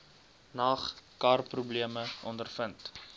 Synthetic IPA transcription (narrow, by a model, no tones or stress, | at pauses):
nɑːχkɑːrprubliəməʔɔndərfənt